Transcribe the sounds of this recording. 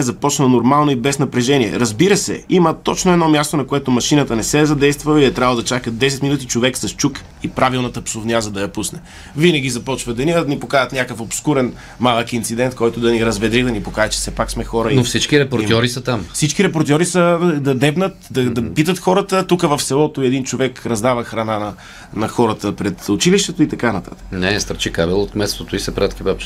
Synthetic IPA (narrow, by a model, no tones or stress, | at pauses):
ɛzɐpɔt͡ʃnənoɾmalˠnoibɛsnɐpɾɛʒɛniɛ̰ɾɐzbiɾəsɛ̰imət̪ɔt͡ʃnoɛd̪nɔmjast̪onɐkoɛt̪omɐʃinət̪ənɛsɛzɐd̪ɛjst̪vəlˠiɛt̪ɾavlˠd̪ɐt͡ʃakəd̪ɛsɛt̪minut̪̬it͡ʃovɛksɐst͡ʃuk | ipɾavilˠnɐt̪əpsovnʲiazɐd̪ɐjɐpusnɛ | vinəɡʲizɐpɔt͡ʃvəd̪ɐniəd̪nipokajət̪nʲakəfopskuɾɛn | malˠəkint̪sid̪ɛnt̪kɔjt̪ʊd̪ɐniɾɐzvɛd̪ɾid̪ɐnipokaɛt͡ʃɛ̥sɛpaksmɛxɔɾəinofsit͡ʃkiɾɛpoɾt̪jɔɾisɐt̪amfsit͡ʃkiɾɛpoɾt̪ʲɔɾisəd̪ɐd̪ɛvnət̪d̪ɐd̪ɐpit̪ət̪xɔɾət̪ət̪ukəvɐfsɛlˠɔt̪oiɛd̪int͡ʃovɛkɾɐzd̪avəxɾɐnanɐ | nɐxɔɾət̪əpɾɛt̪ʊt͡ʃiliʃt̪ɛt̪oit̪ɐkanɐt̪a̰t̪ə̥knɛst̪əɾt͡ʃikabɛlˠot̪mɛt̪st̪ot̪oisɐpɾat̪kʲibapt͡ʃɛ̥